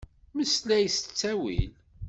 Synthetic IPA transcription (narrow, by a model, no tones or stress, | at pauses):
məslæjst͡sːæwḭl